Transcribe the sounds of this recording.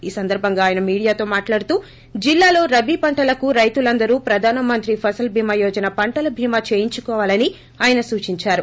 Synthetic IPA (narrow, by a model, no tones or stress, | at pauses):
iːsɐnd̪ɐɾbʱɐŋɡaːjɐnɐmiːɽijaːt̪o̞ːmaːʈlaːɽut̪uː | d͡ʒilːaːlo̞ːɾɐbiːpɐɳʈɐlɐkuɾɐjt̪ulɐnd̪ɐɾuːpɾɐd̪ʱaːnɐmɐnt̪ɾipʰɐsɐlbʱiːmɐjɔːd͡ʒɐnɐpɐɳʈɐlɐbʱiːmaːt͡ʃe̞ːjiɲt͡ʃukɔːʋaːlɐni | aːjɐnɐsuːt͡ʃiɲt͡ʃaːɾu